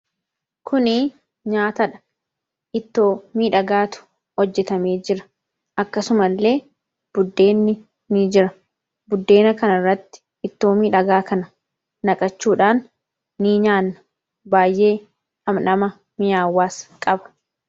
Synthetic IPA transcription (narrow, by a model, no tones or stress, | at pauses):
kʰʊnɪ | ɲaːt̪ɐᶑɐ̥ | ʔɪt̪ːo̞ːmiːᶑɐɡaːt̪ʊ̥ | hɔd͡ʒːɛt̪ɐmeːd͡ʒɪɾɐ̥ | ʔɐkːɐsʊmɐlːe̞ː | b̥ʊd̪ːe̞ːnːɪ | nid͡ʒɪɾɐ | bʊd̪ːe̞ːnɐkɐnɪrːɐt̪ːɪ̥ | ɪt̪ːo̞ːmiːᶑɐɡaːkɐnɐ | nɐkʼɐt͡ʃːuːᶑaːnː | iːɲaːnːɐ̥ | baːjʔe̞ː | ɐmnɐmɐ | mɪjaːwːaːskʼɐbɐ̥